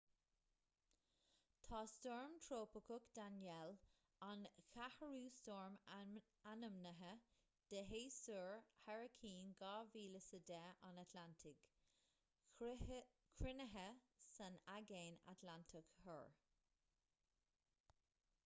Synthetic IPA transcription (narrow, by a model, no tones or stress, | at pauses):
t̪ʰɑːstɔɹmt̪ʰɾoːpəkʰʊkd̪̥anjɛl | ɑnkʰahəɹuːstɔɹm | anəmnəɦə | d̪̥əɦeːsuɹhɛɹəkʰiːnɡɑːviːləsəd̪ɛʔanat̪ʰlantʰɪk | kʰɹɪnəɦəsənaɡeːna̰t̪lantʰəkhə̰ɹ